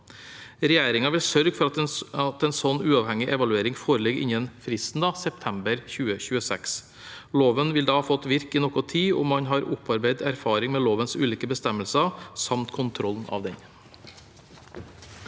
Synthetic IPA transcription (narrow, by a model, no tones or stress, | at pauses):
ɾɛjæːɾɪŋɑʋɪlsœɾɡfɔɾɑt̪ɛnsɔnːʉːɑʋhæŋɪʔɛʋɑlʉeːɾɪŋfoːɾəlɪɡɪ̰ɲənfɾɪst̪n̩d̪ɑːsɛp̚t̪ʰæmbəɾçʉːəçʉːəsɛ̰ks | loːʋənʋɪld̪ɑːhɑːfɔt̪ʋɪɾkiːnɔkɔt̪ʰiːɔ̰mɑɲɦɑɾʊpɑɾbæɪd̪æɾfɑːɾɪŋmeːloːʋənsʉːliːkəbəst̪ɛməlsɑsɑmt̪kʰʊnt̪ʰɾɔln̩ɑ̰ʋd̪ɛɲ